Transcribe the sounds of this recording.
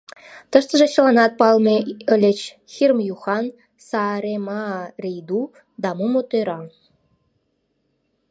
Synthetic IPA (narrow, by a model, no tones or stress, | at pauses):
t̪ə̆ʃt̪ə̆ʒĕt͡ɕə̆lɑnɑt̪̚pɑlmeə̆lʲet͡ɕ | xirmjuxɑn | sɑɾemɑrʲijd̪u | d̪ɑmumot̪øɾɑ